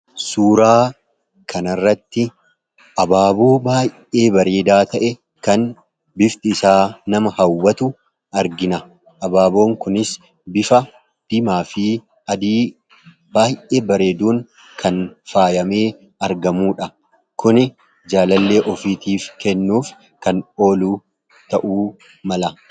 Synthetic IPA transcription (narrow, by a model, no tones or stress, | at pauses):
suːɾaː | kʰɐnɐrːɐt̪ːɪ | ʔɐbaːboːbaːjʔe̞ːbɐɾe̞ːd̪aːt̪ɐʔɛ | kɐn | bɪft̪ɪːsaːnɐmɐhɐwːɐt̪ʊ | ʔɐɾɡɪnɐ | ʔɐbaːbo̞ːŋkʊnɪs | bɪfɐ | d̪̥ɪmaːfiː | ɐd̪iː | baːjʔe̞ːbɐɾe̞ːd̪uːn | kʰɐnfaːjɐme̞ː | ɐɾɡɐmuːᶑɐ | kʊnɛ | d͡ʒaːlɐlːe̞ːʔɔfiːt̪iːfkɛnːuːf | kɐno̞ːluː | t̪ɐʔuː | mɐlɐ